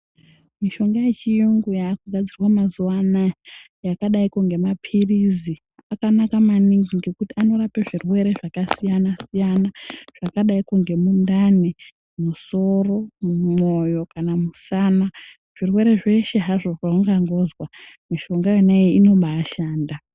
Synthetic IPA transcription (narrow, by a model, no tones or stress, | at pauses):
miʃo̞ŋɡajet͡ʃijuŋɡujakuɡʱad͡zirwamazuwana | jakaɗaikuŋɡe̞mapʰirizi | akanakamaniŋɡiŋɡikutiano̞rapeʐirwe̞ɾe̞ʐakasijanasijanaʐ̥akaɗaikuŋɡe̞mundani | muso̞ro̞mumo̞jo̞kanamusaːna | ʐ̥irwe̞ɾe̞ʐe̞ʃe̞ɦaʐo̞ʐaoŋɡaŋɡo̞ːzwamiʃoŋɡajeneeino̞ɓaːʃaːnda